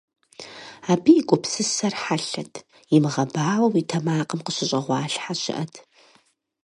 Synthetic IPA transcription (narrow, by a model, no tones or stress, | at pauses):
aːbijikʷʼɔpsɨsɐrħaɬɐtʰ | jɪmɨʁɐbaːwɐwitʰɐmaːqəmqəɕɪɕʼɐʁʷɑːɬħaɕʼɪ̰ʔɐtʰ